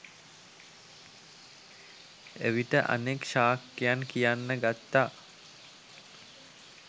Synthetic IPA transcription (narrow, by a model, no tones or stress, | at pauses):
ḛʋiʈəʔa̰nekʃaːkːejankijanːəɡat̪ːaː